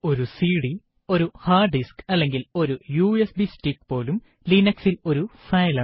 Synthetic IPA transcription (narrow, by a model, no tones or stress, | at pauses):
o̞ɾusiːɽi | o̞ɾuhaːɖiskɐlːe̞ŋɡilo̞ɾujuːesbisʈikːpo̞ːlum | linɐksilo̞ɾufɐjlaː